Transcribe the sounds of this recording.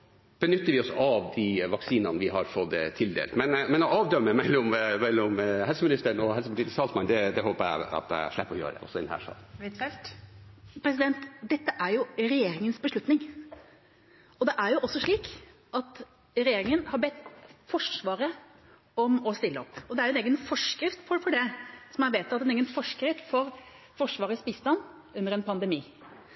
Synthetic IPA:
b̥ənʏt̪ːəɾʋɪɔsɔɑʋd̪iʋɑksiːnɑnəʋɪɦɑɾfɔd̪ət̪ʰɪld̪ḛlt̪mɛnmɛnɔʔɑːʋd̪œmːəmɛlːɔmmɛlːɔmhɦɛlsəmɪnɪst̪əɾəɳɔɛlsəpʰɑʈiːt̪ɪsɑːlsmɑnd̪ɛd̪ɛɦoːpəɾæ̰ɑ̰t̪̚d̪æ̰æ̰ʂlæpːɔjø̰ːɾə̰ɛ̰ʔɔ̰sːɔɪd̪ɛnhæ̰ːʂɑ̰ːlt̪ | pʰɾɛs̬ɪd̪ɛnt̪d̪ɛt̪ːəʔæɾjʊɾɛjeːɾɪŋənsbəʂɭʉt̪nɪŋ | ɔd̪ɛʔæɾjʊʔɔsːɔʂɭiːk | ʔɑt̪ | ɾɛjeːɾɪŋənhɑɾbɛt̪ːfɔʂʋɑːɾə | ɔmɔst̪ɪlːəɔpːɔd̪ɛæɾjʊɛneːɡənfɔʂkɾɪft̪fɔfɔɖɛsɔmæʋeːt̪ːɑt̪ːɛneːɡənfɔʂkɾɪt̪ːfɔɾ | fɔʂʋɑːɾəsbiːst̪ɑnː | ʉnːəɾɛnpʰɑnd̪ɛmiː

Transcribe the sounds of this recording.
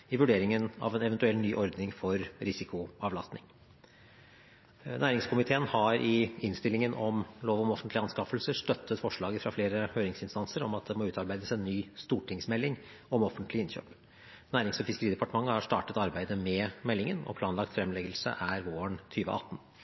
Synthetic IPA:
ɪʋʉɖeːɾɪŋənɑ̰ʋɛnɛʋənt̪ʉɛlnyːʔɔɾd̪nɪŋfɔɾɾɪsɪkʊɑʋlɑst̪nɪŋ | næːɾɪŋskʰʊmɪt̪ʰeːənhɑɾʔɪɪnst̪ɪlːɪŋənʔɔmloːʋɔmɔfənt̪lɪɑnskɑfəlsəʂt̪œt̪ʰːət̪fɔʂɭɑːɡəfɾɑfleːɾəhøːɾɪŋsɪnst̪ɑnsəɾɔmɑt̪̚d̪ɛmɔʉːt̪ɑɾbæɪd̪əsɛnːyːst̪uːʈʰɪŋsmɛlːɪŋ | ɔmɔfənt̪lɪɪnçø̰ːp | næːɾɪŋsɔfɪskəɾiːd̪ɛpɑʈəmɑŋːəhɑʂt̪ɑːʈət̪ɑɾbæɪd̪əmɛmɛlːɪŋənɔ̰pʰlɑːnlɑk̚t̪fɾɛmlɛɡəlsə̰ʔæɾʋoːəɳt̪ʰyːʋə̰ʔɑ̰t̪ːn

